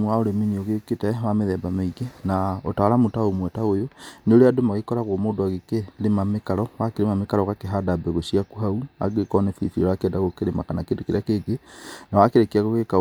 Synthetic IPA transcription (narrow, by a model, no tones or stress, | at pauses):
uaoɾeminioɣeketɛwameðɛbameiɡenao̰taɾamotaomwɛtaojoneoɾeadomaɣekɔɾaɣomodoaɣekelemamekaɾɔwakeɾemamekaɾɔɣakeɦadabɛɣoʃiakuɦaua̰ɡekɔnɛfiḭfiɔakeɛːndaɣokeɾemakanakendokeɾḛakeɡenawakeɾekeaɣoɣeka